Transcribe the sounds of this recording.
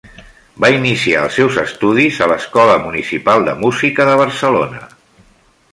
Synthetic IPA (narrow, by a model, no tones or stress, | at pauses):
bainisia̰ə̰lˠsːɛwzəst̪uðizələskɔləmunisipalˠd̪əmuzikəðəβ̞əɾsəlo̰nə̰